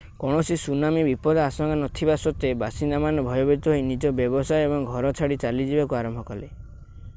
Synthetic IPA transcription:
kɔɽ̃ɔsisunamibipɔd̪asɔŋɡanɔt̪ʰibasɔt̪ebasind̪amanɔbʱɔjɔbeɾit̪ɔɦoinid͡ʒɔbjɔbɔsajebɔŋɡʱɔɾɔt͡ʃʰaɽit͡ʃalid͡ʒibakuaɾɔmbʱɔkɔle

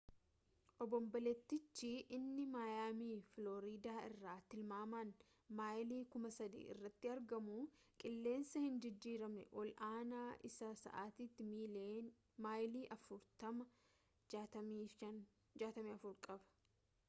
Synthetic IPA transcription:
ʔɔbɔmbɐlɛt̪ːɪt͡ʃːiʔɪnːɪmaːjaːmiːfloːɾiːd̪aːɪrːaːt̪ɪlmaːmaːn | maːjliːkʊmɐsɐd̪ḭːʔɪ̰rːɐt̪ːɪɐɾɡɐmu | kʼɪlːe̞ːnsɐhɪnd͡ʒɪd͡ʒːiːɾɐmɛ̰ʔɔlʔaːnaːʔɪsɐsɐ̰ʔaːt̪it̪ːɪmiː | maːjliːʔɐfʊɾt̪ɐmɐ | ɐiːɐn | d͡ʒaːt̪ɐmiːɐfʊɾkʼɐbɐ̥

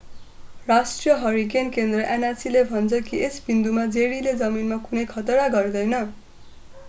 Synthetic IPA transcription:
rasʈrijʌɦʌɾik̬enkend̪rʌʔenʌrsilebʱʌnt͡sʰʌkiʔesbind̪umad͡zeɽiled͡zʌminmakunʌjkʰʌt̪ʌɾaɡʌrd̪ʌjnʌ

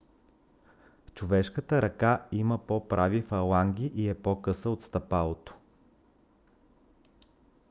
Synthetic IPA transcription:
t͡ʃovɛʃkət̪əɾɐkaiməpɔpɾʔavifɐlˠaŋɡʲiʔiɛpɔkɤsəot̪st̪ɐpalˠot̪o̥

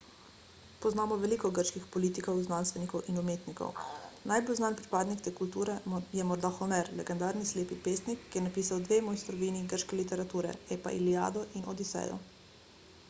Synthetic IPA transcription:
pɔznaːmɔʋɛliːkɔɡəɾʃkixpɔliːt̪ikɔwznanst̪ʋɛnikɔwʔinumeːt̪nikɔ̰wnajbolznaːnpɾipaːd̪nikt̪ɛkult̪uːɾɛjɛmɔɾd̪axɔmɛɾlɛ̰ɡɛnd̪aːɾnisleːpipeːst̪nikːjɛnapiːsawd̪ʋeːmɔːjst̪ɾɔʋiːniɡəɾʃkɛlit̪ɛɾat̪uːɾɛ̰ɛpa̰ʔḭlia̰ːd̪ɔʔinʔɔd̪isɛ̰jɔ̰

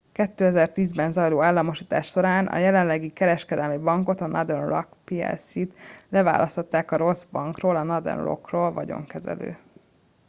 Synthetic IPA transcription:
kɛt̪ːøːɛzɛrt̪iːzbɛnzɒjloːaːlːɒmoʃiːt̪aːʃʃo̞ɾaːnʔɒ̰jɛlɛnlɛɡikɛɾɛʃkɛd̪ɛlmibɒŋko̞t̪ɒnʔɒd̪ɛnlɒ̰kpiɛ̰lsit̪lɛva̰ːlʔɒst̪o̞t̪ːaːkɒɾo̞zbɒŋkroːlɒnɒd̪ɛ̰nlo̰kroːlvɒɟo̞̰ŋkɛzɛ̰lø̰ː

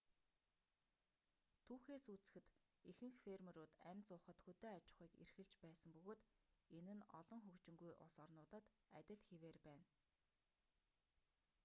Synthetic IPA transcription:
t̪ʰuːxeːsut͡sɘ̥̆xɘ̆t̪ | ixɘ̆ŋxferm̆ɾʊːt̪æmʲt͡sʊːχə̆t̪xɵt̪eːat͡ɕɪ̥̆χiːkḛrxɘ̆ɮt͡ɕpæːsə̆mpɵɣoːt̪enɘ̆nɔ̰ɮɞ̆ŋxɵkt͡ɕɪ̆ŋɡujʔʊ̰sɔrnʊːt̪ə̆t̪ | æt̪ʲɪ̆ɮxeweːrpæːn

